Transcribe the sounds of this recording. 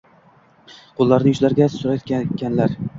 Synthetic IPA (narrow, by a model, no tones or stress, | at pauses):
qʰolˠːaɾnɪjʊʃlaɾɡʲasʊɾajt̪ʲkʲanlaɾ